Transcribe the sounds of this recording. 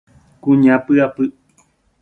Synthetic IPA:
kuɲãpɨapɨʔ

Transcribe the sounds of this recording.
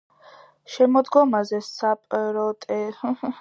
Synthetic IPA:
ʃɛmɔd̪ɡɔmazɛsapʼɾɔt̪ʼɛ

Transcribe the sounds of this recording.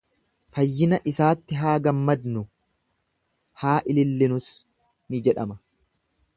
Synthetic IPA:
fɐjːɪnɐʔɪsaːt̪ːɪɦaːɡɐmːɐd̪nʊ | haːʔɪlɪlːɪnʊs | nɪd͡ʒɛᶑɐmɐ̥

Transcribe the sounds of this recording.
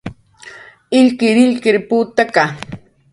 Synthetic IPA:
ɪʎkɪɾɪʎkɪɾpuːt̪aka

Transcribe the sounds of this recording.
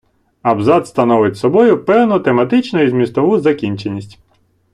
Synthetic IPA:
ɐbzɑd̪st̪ɐnɔʋɪtʲsɔbɔjʊpɛwnʊt̪emɐt̪ɪt͡ʃnɔjizʲmʲist̪ɔʋuzɐkʲinʲt͡ʃenʲːisʲtʲ

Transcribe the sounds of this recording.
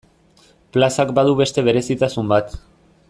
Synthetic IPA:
plasakbaðuβe̞st̪e̞β̞e̞ɾe̞sit̪asumbat̪

